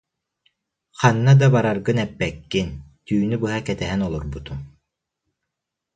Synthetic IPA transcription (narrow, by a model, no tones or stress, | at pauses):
χɑnːɑd̪ɑbaɾaɾɡɯnɛpːɛkːint̪ʰyːnybɯɦakɛt̪ɛɦɛnɔlˠuɾbut̪ʰu